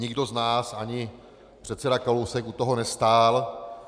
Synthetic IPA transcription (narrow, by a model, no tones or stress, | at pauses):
ɲɪɡdo̞znaːsaɲɪ | pr̝̥ɛt̪sɛdakalowsɛkut̪oɦo̞nɛst̪aːl